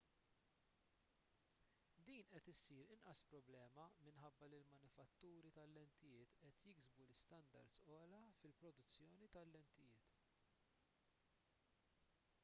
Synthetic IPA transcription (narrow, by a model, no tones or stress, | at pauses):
d̪iːnʔɛt̪ɪsiːɾɪnʔɐspɾɔblɛːmɐmɪnħɐbːɐlɪlmɐnɪfɐt̪ːuːɾit̪ɐlːɛnt̪ɪjɪːt̪ʔɛt̪jɪɡzbulɪst̪ɐnd̪ɐ̰ɾd̪sɔːlɐfɪlpɾɔd̪ʊt͡sːjɔːnit̪ɐlːɛnt̪ɪjɪːt̪